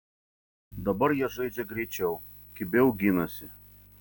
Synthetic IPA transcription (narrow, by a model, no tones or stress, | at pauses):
d̪ɐbɐɾjiɛʒɐɪd͡ʒʲɛɡɾʲɛɪt͡ʃʲɛʊ | kʲɪbʲɛʊɡʲɪnɐsʲɪ